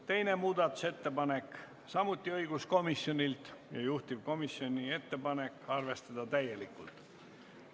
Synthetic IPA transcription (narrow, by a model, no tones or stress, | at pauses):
t̪e̞jne̞muːd̪̥ɑt̪ːˑu̥se̞t̪ːe̞pɑne̞kˑ | sɑmut̪ʲːˑiɤjɡ̥usko̞misjo̞nʲilt̪jɑ̰juht̪iv̥ko̞misjo̞nʲie̞t̪ːe̞pɑne̞kˑɑrve̞st̪ɑd̪̥ɑt̪æjːe̞likːˑult̪ˑ